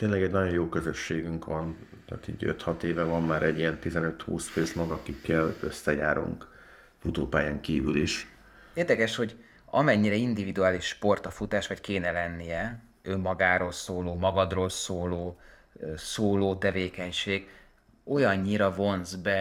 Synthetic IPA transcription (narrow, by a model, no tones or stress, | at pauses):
t̪eːnlɛɡɛɟnɒɟo̞joːkøzøʃːeːɡyŋkʋɒnt̪a̰ːt̪ḭːɟø̰t̪hɒt̪eːvɛvɒmːaːɾɛɟːiɛnt̪izɛnø̞t̪hṵːsføːsmɒɡɒkikːɛlø̰sːɛja̰ːɾṵŋk | fut̪oːpaːjaːŋkiːvyliʃ | eːrd̪ɛkɛʃho̞ɟ | ɒmɛɲːiɾɛind̪ivid̪uaːliʃːpo̞rt̪ɒfut̪aːʃʋɒckeːnɛlɛnːijɛ | ømːɒɡaːɾoːlsoːloːmɒɡɒd̪roːlsoːloː | soːloːt̪ɛveːkɛɲʃeːɡ | o̞jɒɲːiɾɒvo̞nzbɛ